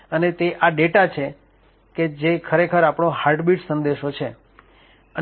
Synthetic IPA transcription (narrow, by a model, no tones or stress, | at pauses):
ənet̪eʔaɖeʈat͡ʃʰe | ked͡ʒekʰəɾekʰəɾapɳõɦaɾɖbiʈsənd̪eʃot͡ʃʰe | ə